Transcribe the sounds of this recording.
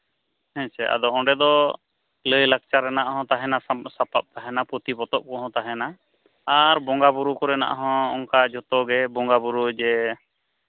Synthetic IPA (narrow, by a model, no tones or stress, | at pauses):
ɛ̃sɛʔa̰d̪ɔɔ̃ɖɛd̪ɔ | ləjlək̚t͡ʃaɾɛnaʔɦɔ̃t̪aɦɛnasapap̚t̪aɦɛnapɔt̪ibɔt̪ɔʔ̚kɔɦɔ̃t̪aɦɛnaː | ɾbɔŋɡabuɾukɔɾɛna̰ʔɦɔ̃ɔŋkad͡ʒɔt̪ɔɡɛbɔŋɡabuɾud͡ʒɛ